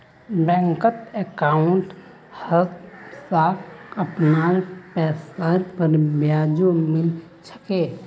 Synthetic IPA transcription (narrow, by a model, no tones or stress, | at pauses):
bɛ̃ŋkət̪ekaːʊɳʈ | hət̪saːpʰəpnaɾpɛːsaɾpəɾbjaːd͡ʒomɪl | t͡ʃʰə̥ke